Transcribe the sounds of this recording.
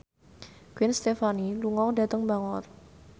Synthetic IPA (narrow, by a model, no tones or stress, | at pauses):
ɡ̥wɪnst̪efaniluŋɔŋda̤t̪əŋbaŋɔt